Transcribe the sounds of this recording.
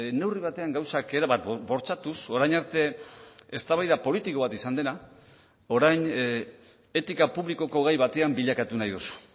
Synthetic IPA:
ne̞wriβ̞at̪e̞aŋɡawsake̞ɾaβabo̞ɾt͡ʃat̪uso̞ɾajnaɾt̪e̞est̪aβajðapo̞lit̪iko̞β̞at̪isand̪e̞na | o̞ɾajn | e̞t̪ikapuβliko̞ko̞ɣajβat̪e̞ambiʎakat̪unajðusu̥

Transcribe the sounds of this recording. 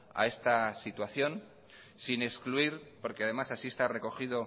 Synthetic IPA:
a̰e̞st̪asit̪waθjo̞n | sine̞skluiɾpo̞ɾke̞að̞e̞masasie̞st̪are̞ko̞xiðo̞

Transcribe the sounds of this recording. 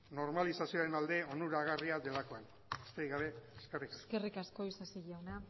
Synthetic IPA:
no̞ɾmalisasio̞aɾe̞nald̪e̞o̞nuɾaɣariad̪e̞lako̞en | e̥st̪ejɣaβe̞ːske̞rikḁsske̞rikasko̞isasiʝawna

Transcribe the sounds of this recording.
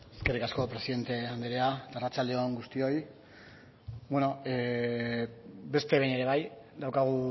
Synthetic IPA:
eske̞rikasko̞pɾe̞siðe̞nt̪e̞and̪eɾeat̪arat͡ʃald̪e̞o̞ŋɡust̪io̞j | bweno̞e | be̞st̪eβejne̞ɾe̞β̞ajd̪awkaɣ̞u

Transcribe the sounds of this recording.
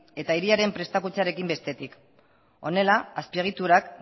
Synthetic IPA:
e̞t̪aiɾiaɾe̞mpɾe̞st̪akut͡saɾe̞kimbe̞st̪e̞t̪ik | o̞ne̞laːspieɣ̞it̪uɾak

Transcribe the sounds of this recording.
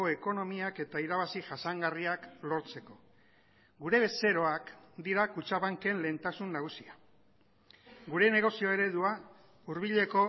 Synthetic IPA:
oe̞ko̞no̞miake̞t̪aiɾaβasiʝasaŋɡariaklo̞ɾt͡se̞ko̞ | ɡuɾe̞βe̞se̞ɾo̞akd̪iɾakut͡ʃaβaŋke̞nle̞ːnt̪asunːaɣ̞usia | ɡuɾe̞ne̞ɣ̞o̞sio̞e̞ɾe̞ðua | uɾβ̞iʎe̞ko̞

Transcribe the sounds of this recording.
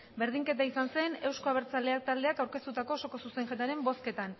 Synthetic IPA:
be̞ɾð̞iŋke̞t̪aisanse̞ne̞wsko̞aβeɾt͡sale̞ak̚t̪ald̪e̞akawɾkest̪ut̪ako̞ːso̞ko̞suse̞ŋʝet̪aɾe̞mbo̞ske̞t̪an

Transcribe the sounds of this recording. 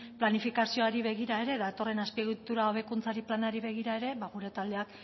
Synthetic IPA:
planifikasio̞aɾiβe̞ɣ̞iɾae̞ɾe̞ðat̪o̞re̞naspieɣit̪uɾaoβe̞kunt͡saɾiplanaɾiβe̞ɣ̞iɾae̞ɾe̞βaɣ̞uɾe̞t̪ald̪e̞ak

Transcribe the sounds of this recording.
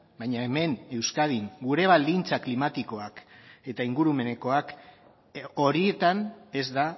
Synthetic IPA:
bajɲaeme̞ne̞wskað̞iŋɡuɾe̞βald̪int͡saklimat̪iko̞ake̞t̪aiŋɡuɾume̞ne̞ko̞ak | o̞ɾie̞t̪ane̞zd̪a

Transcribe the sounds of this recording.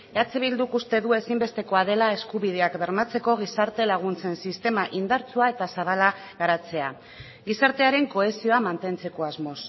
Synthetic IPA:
at͡seβild̪ukust̪e̞ðue̞simbe̞st̪e̞ko̞að̞e̞lae̞skuβið̞e̞akbe̞ɾmat͡se̞ko̞ɣ̞isaɾt̪e̞laɣ̞unt͡se̞nsist̪e̞maʔind̪aɾt͡suae̞t̪asaβ̞ala | ɣaɾat͡se̞a | ɡisaɾt̪e̞aɾe̞ŋko̞e̞sio̞amant̪e̞nt͡se̞ko̞azmo̞s

